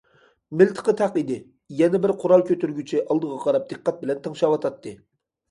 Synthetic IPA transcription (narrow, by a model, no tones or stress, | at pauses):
mɪlt̪ʰə̥qʰət̪ʰæqid̪ɪ | jɛnɪbɪɾqʰʊɾɑlˠkʲʰøt̪yɾɡʲyt͡ʃʰiʔɑlˠd̪əʁɑqʰɑɾɑp̚d̪̥ɨqːɑt̪̚bɪlɛnt̪ʰɑŋʃɑwɑt̪ʰɑt̪ʰːɨ